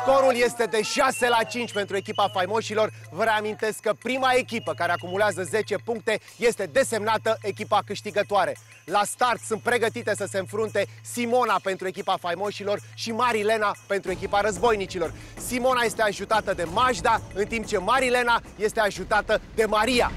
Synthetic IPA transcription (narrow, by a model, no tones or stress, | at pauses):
k̪o̞ɾulje̞st̪e̞d̪e̞ʃase̞lat͡ʃint͡ʃʲpe̞nt̪ɾue̞kʲipafajmo̞ʃilo̞r | vəɾeamint̪e̞skːəpɾimae̞kʲipəkaɾe̞akumuleazəze̞t͡ʃe̞puŋk̚t̪e̞ | je̞st̪e̞d̪e̞se̞mnat̪əʔe̞kʲipakɨʃt̪iɡət̪oaɾe̞ | last̪art̪sunt̪̚pɾe̞ɡət̪it̪e̞səse̞ɨnfɾunt̪e̞simo̞nape̞nt̪ɾue̞kʲipafajmoʃilo̞rʃimaɾile̞nape̞nt̪ɾue̞kʲipaɾəzbo̞jnit͡ʃilo̞r | simo̞naje̞st̪e̞aʒut̪at̪əd̪e̞maʒd̪aɨnt̪imp̚t͡ʃe̞maɾile̞naje̞st̪e̞aʒut̪at̪əd̪e̞maɾia̰